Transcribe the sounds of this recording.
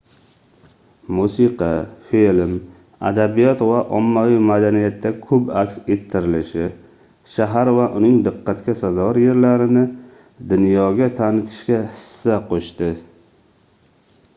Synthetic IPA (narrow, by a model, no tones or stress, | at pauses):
musɨqʰɑfilm | a̰d̪abijɒt̪vaʔɒmːavijmad̪anijat̪ːakʰɵpakʲset̪ʰːɪɾɪlɪʃɪ | ʃaɦaɾvaʔʊnɪŋd̪ɪqʰːɑt̪kʲasazɒɾje̞ɾlaɾɪnɪ | d̪ʊnjɒɡʲat̪ʰanɪt̪ʰɪ̥ʃkʲahɪ̥sːaqʰoʃt̪ɪ